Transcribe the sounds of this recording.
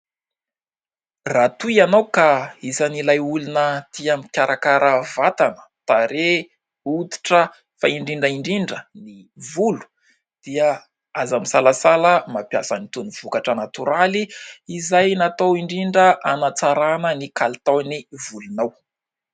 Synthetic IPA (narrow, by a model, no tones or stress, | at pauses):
rat̪uianawkaisanilajulunət̪iamikʲaɾʔakaɾʔəvat̪anə̥t̪aɾe | ut̪i̥ʈ͡ʂə | faiɳɖ͡ʐiɳɖ͡ʐəiɳɖ͡ʐiɳɖ͡ʐənivulu̥ | d̪̥iə | azamisalasaləmapjasənit̪univ̥ukaʈ͡ʂənat̪uɾaliːzajnat̪owiɳɖ͡ʐiɳɖ͡ʐəʔanat͡saɾanənikalit̪awnivulunaw